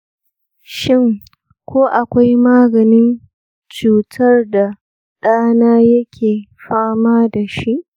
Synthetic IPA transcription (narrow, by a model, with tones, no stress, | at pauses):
ʃɪ˦ŋ | kʷoː˦ʔa˨kʷa˦jmaː˦ɡɐ˨nɪ˦n | t͡ʃuː˨tʰɐ˦rda˨ | ɗaː˦naː˦jɐ˦kʲʰeː˨ɸaː˦maː˦da˨ʃi˦ʔ